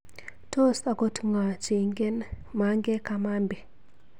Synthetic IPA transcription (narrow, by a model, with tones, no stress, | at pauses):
to˦sa˨ko˦tu˦ŋa˨t͡ʃe˨ŋɡɛ˦n | ma˦ŋɡɛ˦ka˨ma˦mbi˨